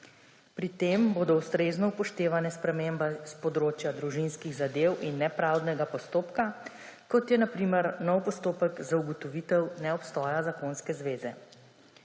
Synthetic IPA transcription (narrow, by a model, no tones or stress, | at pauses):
pɾit̪eːmboːd̪ɔust̪ɾeːznɔupɔʃt̪eːʋanɛspɾɛmembaspɔd̪ɾoːt͡ʃjad̪ɾuʒinskiɣzad̪ewʔinːɛpɾawd̪nɛɡapɔst̪oːpka | kɔt̪jɛnapɾimɛɾnɔwpɔst̪oːpəɡzauɡɔt̪ɔʋit̪ɛwnɛɔpst̪ɔːjazakonskɛzʋeːzɛ